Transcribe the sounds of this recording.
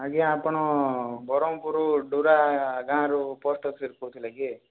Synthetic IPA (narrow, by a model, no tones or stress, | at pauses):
aɡiapɔɳɔbʱɔɾɔmpuɾuɖuɾaɡãːɾuposʈɔksiɾkot̪ʰilaɡi